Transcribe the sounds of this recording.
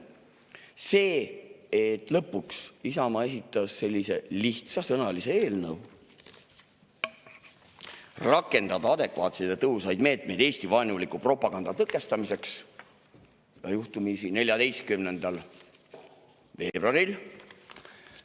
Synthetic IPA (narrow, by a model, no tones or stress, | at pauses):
se̞ːet̪ːˑlɤpːuksisɑmɑe̞s̬it̪ːˑɑsːe̞lʲːise̞liht̪sɑsɤnɑlise̞eːlnɤw | rɑkːˑe̞nd̪̥ɑd̪̥ɑɑd̪e̞kvɑːt̪se̞jt̪et̪ɤɦusɑjd̪me̞ːt̪ˑme̞jd̪eːst̪ivɑjnulikupro̞pːˑɑɡ̥ɑnd̪ɑt̪ɤkːˑe̞st̪ɑmise̞ks | jɑ̰juht̪umisine̞lʲjɑd̪e̞jst̪̚kymne̞nd̪̥ɑl | ve̞ːb̥rɑɾil